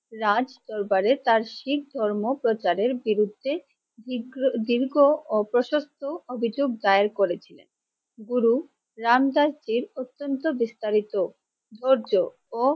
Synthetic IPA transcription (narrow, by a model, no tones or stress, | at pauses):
ɾad͡ʑd̪̥ɔɾbaɾet̪aɾʃik̚d̪ʱɔɾmopɾot͡ɕaɾeɾbiɾud̪ʱːe | id̪iɾɡoopɾoʃost̪ʰoobʱid͡ʑoɡ̚d̪aeeɾkoɾet͡ɕʰilḛn | ɡuɾu | ɾamd̪ad͡ʑd͡ʑiɾot̪ːont̪obist̪aɾit̪o | d̪ʱoɾd͡ʑo | o